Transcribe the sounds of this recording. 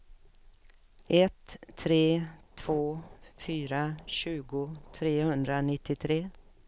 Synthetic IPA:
ʔɛt̪ʰːɾeːt̪ʰv̥oːfyːɾaɕʉ̟ːɡʊt̪ʰɾeːhɵnd̪ɾanɪt̪ːɪt̪ʰɾeː

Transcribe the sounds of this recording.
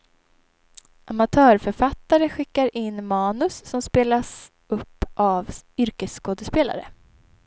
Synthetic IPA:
ʔamat̪ʰœːɾfœɾfat̪ːaɾəɧɪkːaɾɪnːmɑːnɵsːɔmspeːlas | ʔɵpːʔavʏɾkəsːkoːd̪əspeːla̰ɾə̰

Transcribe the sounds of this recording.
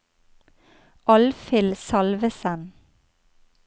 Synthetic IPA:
ʔɑlfɪlsɑlʋəsən

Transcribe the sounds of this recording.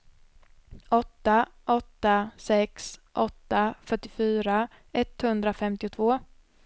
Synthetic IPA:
ɔt̪ːaʔɔt̪ːasɛksʔɔt̪ːafœʈːɪfyːɾa | ɛt̪hɵnd̪ɾafɛmt̪ɪʊt̪ʰvoː

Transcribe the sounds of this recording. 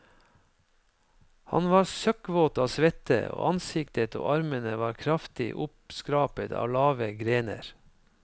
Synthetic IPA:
hɑ̰nʋɑːɾsœkʋoːt̪ɑːsʋɛt̪ə̰o̰ːʔɑnsɪkt̪ət̪ʰo̰ːʔɑɾmənəʋɑːɾkʰɾɑft̪ɪ̰ʔʊpskɾɑːpət̪ʰɑ̰ːʋlɑːʋəɡɾeːnə̰ɾ

